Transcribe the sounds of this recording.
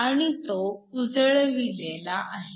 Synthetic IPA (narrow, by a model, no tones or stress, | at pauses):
aɽ̃it̪oud͡zɭʋilelaʔaɦe